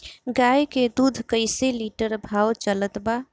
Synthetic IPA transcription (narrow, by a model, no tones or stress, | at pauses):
ɡajked̪ud̪ʱkəɪseliʈəɾbʱawt͡ʃələt̪ba